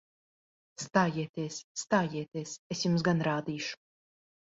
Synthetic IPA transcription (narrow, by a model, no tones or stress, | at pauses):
st̪aːjiɛt̪iɛsːt̪aːjiɛt̪iɛsesjums̬ɡanɾaːd̪iːʃu̥